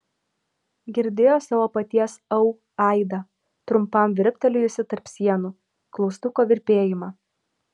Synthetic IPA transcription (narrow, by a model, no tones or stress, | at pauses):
ɡʲɪɾʲd̪ʲeːjoːsɑːʋoːpɐt̪ʲiɛsɐʊ | ɑɪd̪ɐ | t̪ɾʊmpɐˑmʋʲɪɾʲpʲt̪ʲɛlʲʊɪsʲɪt̪ɐɾpʲsʲiɛnuː | klˠɔʊst̪ʊkoːʋʲɪɾʲpʲeːjɪmɑː